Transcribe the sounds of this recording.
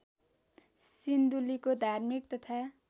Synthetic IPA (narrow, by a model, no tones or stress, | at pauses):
sind̪ulikod̪ʱarmik̚t̪ʌt̪ʰa